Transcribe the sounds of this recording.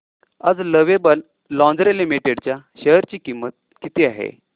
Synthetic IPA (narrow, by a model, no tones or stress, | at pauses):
əd͡zləʋebəlː | ɔ̃nd͡zɾelimiʈeɽt͡ɕjaɕəɦəɾt͡ɕiːkimːət̪̚kit̪iːaɦḛ